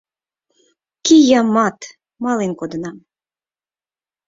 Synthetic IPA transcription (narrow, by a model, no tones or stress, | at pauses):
kijɑmɑt̪ | mɑlenkod̪ə̆nɑm